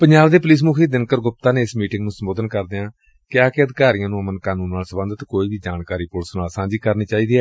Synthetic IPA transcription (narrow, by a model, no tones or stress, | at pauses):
pəɲd͡ʒaːbd̪eːpʊliːs̬mukʰiːd̪ɪnkəɾɡʊp̚t̪ãːneːɪsmiːʈɪŋɡnũːsəmboːd̪ənkəɾd̪eːãː | kɪaːkeəd̪ɪkaːɾijãːnũːəmənkaːnũːnːaːlsəbə̃nd̪ət̪koːiːbiːd͡ʒaːnkaːɾiːpʊlsnaːlsãːd͡ʒiːkəɾniːt͡ʃaːiːd̪iːɛː